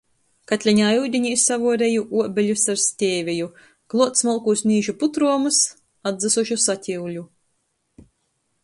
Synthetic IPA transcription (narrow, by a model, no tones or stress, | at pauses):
kat̪ʲlʲiɲaːjuwd̪ʲiɲisavuɔɾejuʔuɔbʲeʎʲusaɾsʲt̪ʲeːvʲiju | klˠuɔt̪smɔlˠkusnʲiːʒuput̪ɾuɔmus | ad̪zɨsuʃusat̪ʲiwʎʲu